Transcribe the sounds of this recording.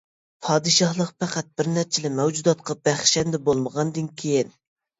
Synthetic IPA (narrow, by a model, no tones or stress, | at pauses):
pʰɑːd̪ɨʃɑhlˠəqpʰæqæt̪̚bɪɾnæɾt͡ʃʰɪlɪmɛwd͡ʒud̪ɑt̪̚qʰɑb̥æχʃɛnd̪ɛbolˠməʁɑnd̪ɨnkʲʰejin